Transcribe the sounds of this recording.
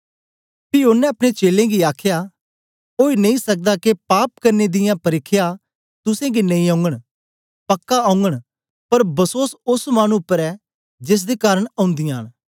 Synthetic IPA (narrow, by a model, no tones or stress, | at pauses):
pionːɛ̃ɐpɽ̃et͡ʃeːlẽɡiaːkʰja | oːinɐ̃ĩsɐk̚d̪akepaːp̚kɐɾned̪ɪjãpɐɾɪkʰːja | t̪ʊsẽɡinɐĩãːʊ̃ŋɡəɽ̃ | pɐkːaãʊ̃ŋɡəɽ̃ | pɐɾbɐsoːsʊsmaːñũʊpːəɾɛː | d͡ʒɪs̬d̪ekaːɾəɽ̃ãːʊ̃nd̪ɪjãːn